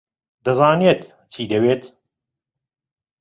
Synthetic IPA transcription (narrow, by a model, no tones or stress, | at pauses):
d̪ɐzaːneːt̪ | t͡ʃʰiːd̪ɐweːt̪